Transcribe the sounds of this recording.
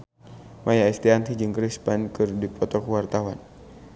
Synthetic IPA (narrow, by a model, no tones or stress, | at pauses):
majaɛst̪iant̪ʰid͡ʒɨŋkɾispankɨrdipʰɔt̪ɔkuwart̪awan